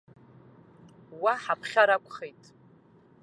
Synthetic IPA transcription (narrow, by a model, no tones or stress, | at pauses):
waħapʰχʲaɾakʷʰʼχejtʼ